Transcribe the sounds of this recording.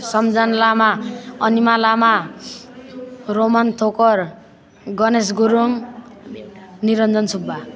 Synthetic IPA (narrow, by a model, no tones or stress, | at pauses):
sʌmd͡zanlamaʌnimalama | romant̪ʰokʌr | ɡʌnes̬ɡuɾoŋ | niɾʌnd͡zʌnsʰubːa